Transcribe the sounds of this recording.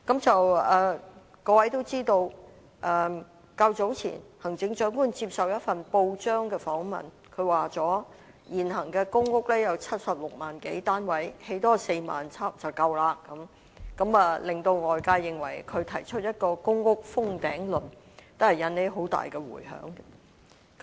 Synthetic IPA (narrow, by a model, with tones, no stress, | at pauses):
kɐ˨˥mt͡sɐ˨wɛː˨ | kɔː˧wɐ˨˥jt̪o˥wt͡siː˥t̪o˧w | ʔɛ˨ | kɐ˧wt͡so˨˥wt͡sʰḭː˨˩nhɐ˨˩ŋt͡sɪ˨˥ŋt͡ʃœː˨˥ŋkuː˥nt͡siː˧p̚sɐ˨wjɐ˥t̚fɐ˨npo˧wt͡ʃœː˥ŋkɛː˧fɔː˨˥ŋmɐ̰˨˩n | kʰɵ˨˧ɥwaː˨˩t͡sɔː˨˥ | jiː˨˩nɦɐ˨˩ŋkɛː˧kʊ˥ŋkʊ˥k̚lɛː˥jɐ˨˧wt͡sʰɐ˥t̚sɐ˨p̚lʊ˨k̚maː˨˩nke˨˥jt̪aː˥nwɐ˨˥jhe˨˥jt̪ɔː˥se˧jma̰ː˨nt͡sʰɐ˥pt͡sɐ˨wkɐ˧wlaː˧kɐ˨˥m | kɐ˨˥mɐː˨lɪ˨ŋt̪o˧wŋɔː˨jkaː˧jɪ˨˩ŋwɐ̰˨˩jkʰɵ˨˧ɥt̪ʰɐ˨˩jt͡ʃʰɵ˥t̚jɐ˥t̚kɔː˧kʊ˥ŋkʊ˥k̚fʊ˥ŋt̪ɛ̰ː˨˥ŋlɵ˨n | t̪ʊ˥hɐ˨jɐ˨˧ne˨˥ɦo˨˥wt̪a̰ː˨jkɛ˧wṵː˨˩jɦœ̰ː˨˥ŋ˧ | k